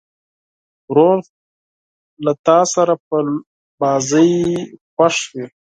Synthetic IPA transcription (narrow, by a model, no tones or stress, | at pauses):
ɾoɾ | lat̪ɑːsaɾap̚ə | bɑːzəjxwaʂwi